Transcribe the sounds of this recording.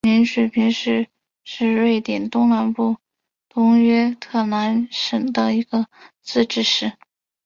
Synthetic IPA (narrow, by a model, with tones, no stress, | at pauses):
mi˧˥nʂwe˨˩ɪpʰi˧˥ŋʂɻ̩˥˧ | ʂɻ̩˥˧ɻe˥˩ɪt̪jɛ˨˩nt̪ʊ˥ŋna˧˥npu˥˩ | t̪ʊ˥ŋɥɛ˥t̪ʰɤ˥˩na˧˥nʂə˨˩ŋd̪ə˦i˧˥ɡ̥ə˧t͡sɹ̩˥˧ʈ͡ʂɻ̩˥˧ʂɻ̩˥˩